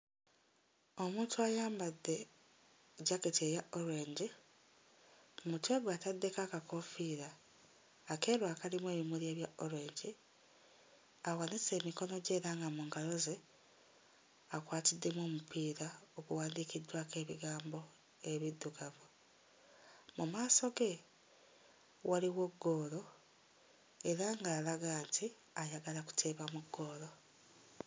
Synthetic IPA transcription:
o̞muːntwajaːmbadːe̞ | ɟaketiejaʔoɾeːɲɟi | mutweɡwaːtadːe̞kakakofiːɾaː | ke̞ːɾwaːkalimwe̞ːβimulje̞ːβjaʔoɾe̞ːɲɟi | awanise̞ːmiko̞no̞ɟe̞ːɾaːŋɡamuːŋɡalo̞ze | akwaːtidːe̞mo̞ːmupʰiːɾaokuwaːndikidːwaːke̞ːβiɡaːmbo̞ | eβid̪ːuɡavu | mumaːso̞ɡe | waliwoɡːo̞ːlo̞ | eɾaŋɡaːlaɡaːnti | ajaɡalaku̥tʰeːβamuɡːo̞ːlo̞

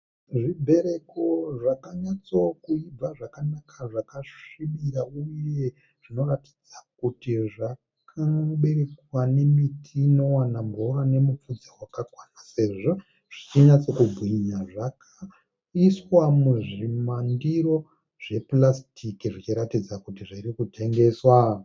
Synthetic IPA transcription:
ʐibʱe̞ɾe̞koʐakaɲat͡so̞kuib͡vaʐakanakʰaʐakaʂimiɾauje̞ | ʐ̥ino̞rati̥d͡zak̚utiʐa | kkʰaɓe̞ɾe̞kwane̞mitʰiːno̞wanamboɾane̞mup͡fud͡zawakakwanase̞ːʐo̞ | ʐ̥it͡ʃiɲat͡so̞kubʱwiɲaʐakʰa | iswamuʐimandiɾo̞ | ʐ̥e̞plastikiʐit͡ʃiɾatid͡zakutiʐiɾikutʰe̞ŋɡe̞ːswa

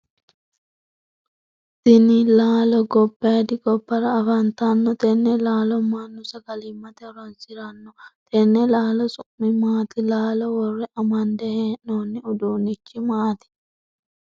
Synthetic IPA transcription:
sɪnilaːlɔɡɔbːeːd̪ɪɡɔbːɐɾɐːfɐnt̪anːɔt̪ɛnːɛlaːlɔmanːʊsɐɡɐlɪmːɐt̪ɛɾɐnsɪɾɐnːɔt̪ʰɛnːɛlaːlɔsʼʊʔmːɪmaːt̪ɪlaːlɔwɔrːɛʔɐmɐnd̪ɛheːnoːnːɪʊd̪uːnɪt͡ʃːɪmaːt̪ɪ̥

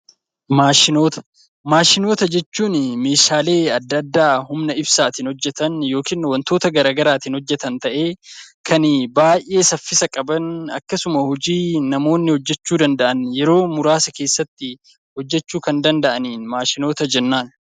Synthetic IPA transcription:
maːʃɪnoːt̪ɐ̥ | maːʃɪno̞ːt̪ɐd͡ʒɛt͡ʃːuːnme̞ːʃaːle̞ːɐd̪ːɐd̪ːaːhʊmnɐɪbsaːt̪ɪnhɔd͡ʒːɛt̪ɐnjo̞ːkiːnwɐnt̪o̞ːt̪ɐɡɐɾaːɡɐɾaːt̪ɪnhɔd͡ʒːɛt̪ɐnt̪ɐʔe̞ː | kʰɐnbaːjʔe̞ːsɐfːɪsɐkʼɐbɐnɐ̰kːɐsʊmɐhɔd͡ʒiːnɐmo̞ːnːɪhɔd͡ʒːɛt͡ʃːuːd̪ɐnd̪ɐʔɐnjɛɾo̞ːmʊɾaːsɐke̞ːsːɐt̪ːɪ | hɔd͡ʒːɛt͡ʃːuːkɐnd̪ɐnd̪ɐʔɐniːnmaːʃɪno̞ːt̪ɐd͡ʒɛnːaːn

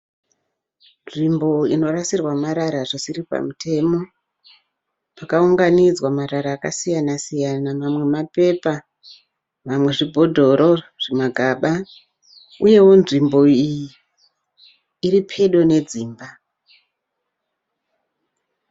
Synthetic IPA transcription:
nʐimbo̞ino̞rasirwamaɾaɾaʐisiripa̰mutʰe̞mo̞ | pakauŋɡanid͡zwamaɾaɾaːka̰sijanasijanamamwe̞mape̞pa | mamwe̞ʐibʱo̞dʱo̞ɾo̞ʐ̥emaɡʱaɓa | uje̞wo̞nʐimbo̞iji | ɾipʰe̞ɗo̞ne̞d͡ziːmba

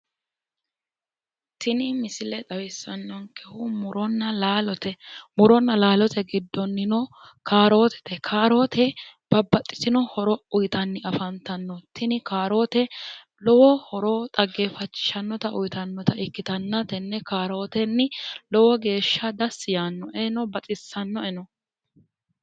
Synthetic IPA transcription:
t̪ʰɪnɪmɪsɪlɛt̪ʼɐwɪsːɐnːɔŋkɛhʊmʊɾɔnːɐlaːlɔt̪ɛmʊɾɔnːɐlaːlɔt̪ɛɡɪd̪ːɔnːɪnɔ | kʰaːɾo̞ːt̪ɛ̥t̪ɛkʰaːɾo̞ːt̪ʰɛb̥ɐbːɐt̪ʼːɪ̥t̪ɪnɔhɔɾɔʊjt̪ɐnːɪʔɐfɐnt̪ɐnːɔt̪ʰːɪnɪkaːɾo̞ːt̪ɛ | lɔwɔhɔɾo̞ːt̪ʼɐɡːeːfɐt͡ʃːɪ̥ʃɐnːɔt̪ɐʔʊjt̪ɐnːɔt̪ɐɪkːɪt̪ɐnːɐt̪ɛnːɛkaːɾo̞ːt̪ɛnːɪlɔwɔɡe̞ːʃːɐd̪ɐsːɪjaːnːɔʔɛnɔbɐt͡sʼɪsːɐnːɔɛnɔ

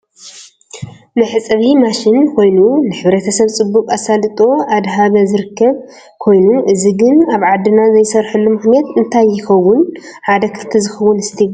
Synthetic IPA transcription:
nɨħɨt͡sʼɐβimaʃɪnkʰo̞jnunɨħɨβɾet̪ʰɐsɐβt͡sʼɨbːukʼasalɨt̪ʼo̞ʔad̪ɦaβɐzɨɾɨkʰːɐβ | kʰo̞jnuʔɨziɡɨnaβʕad̪ːɨnazɐjsɐɾħulːumɨxnijat̪ɨnt̪ʰajːɪxɐwʊn | ħad̪ɐkʰɨt̪ʰizɨxɐwʊnɨst̪ʰi

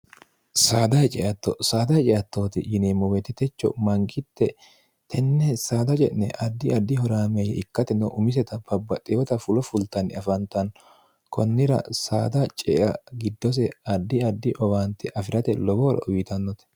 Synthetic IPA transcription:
saːd̪ɐjt͡ʃʼɛʔɐt̪ːɔsaːd̪ɐjt͡ʃʼɛjɐt̪ːoːt̪ɪ̰jɪneːmɔwɛt̪ɛt̪ɛt͡ʃːɔ̰mɐŋɡɪt̪ːɛ | t̪ʰɛnːɛsaːd̪ɐt͡ʃʼɛnnɛʔɐd̪ːɪɐd̪ːɪɦɔɾaːmɛjɛɪkːɐt̪ɛnːɔʔʊmɪs̬ɛt̪ɐbɐbːɐt̪ʼɪwɔt̪ɐfʊlɔfʊlt̪ɐnɪ̰ɐfɐnt̪ɐn | kʰɔnːɪɾɐ̰saːd̪ɐt͡ʃʼɛʔɐɡɪd̪ːɔs̬ɛɐd̪ːɪɐd̪ːɪʔɔwaːnt̪ɛʔɐfɪɾɐt̪ɛlɔboːɾɐ̰ʔʊwɪt̪ɐnːɔt̪ɛ̥

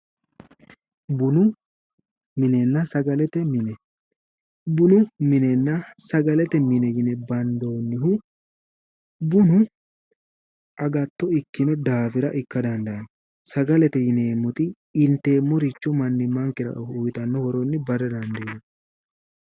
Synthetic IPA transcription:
bʊnʊ | mɪnɛnːɐsɐɡɐlɛt̪ɛmɪnɛ | bʊnʊmɪnɛnːɐsɐɡɐlɛt̪ɛmɪnɛjɪnɛbɐnd̪oːnːɪɦʊ | bʊnʊ | ʔɐɡɐt̪ːɔɪkːɪnɛd̪aːfɪɾɐʔɪkːɐd̪ɐnd̪ɐɐnɔ | sɐɡɐlɛt̪ɛjɪneːmːɔt̪ɪ | ɪnt̪ːe̞ːmːɔɾɪt͡ʃːɔmɐnːɪmɐŋkɪɾɐ̰ʔʊjt̪ɐnːɔhɔɾɔnːɪbɐɾɛd̪ɐnd̪ɐnɐ

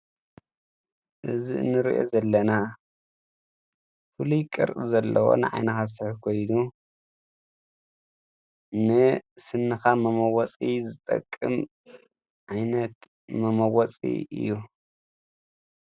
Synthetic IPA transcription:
ʔɨzinɨɾḭʔo̰zɐlːɐna | fɨlujkʼɨ̰ɾʔɨzɐlːɐwo̰nɨ̰ʕa̰jnɐxas̬ɨħkʰo̞jnu | nɨsɨnːɨxamɐmɐwɐt͡sʼizɨt̪ʼɐ̰kʼːɨm | ʕajnɐt̪ | mɐmɐwɐt͡sʼḭɨ̰jːu

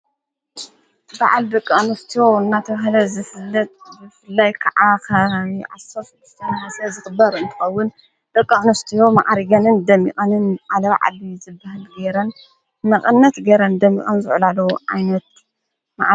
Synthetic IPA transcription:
ba̰ʕald̪ɨkʼːanɐft̪ʰijoɨnːat̪ʰɐβahlɐzɨfɨlːɐt̪̚bɨfɨlːajkʰɐʕʔakʰɐʕasɐf | st̪ʰmɐsɐzɨxɨbɐɾɨnt̪ʰɨ̥xɐwːʊn | d̪ɨkʼːɐʔʼnɐft̪ʰijoma̰ʔaɾɡɐnɨnd̪ɐmːḭkʼɐnɨnʕalɐβa̰ʕa̰lizɨbːahɨlɡeɾɐn | mɐχʼɨnːɐt̪ɡeɾɐnd̪ɐmːḭkʼɐnzɨʕlalɐwʕa̰jnɐt̪̚ | ma̰ʔ

